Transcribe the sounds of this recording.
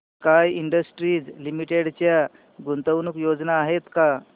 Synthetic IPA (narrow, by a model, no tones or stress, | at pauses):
kajiɳɖəsʈɾiːd͡zlimiʈeɽt͡ɕja | ɡunt̪əʋnukjod͡znaːɦet̪ka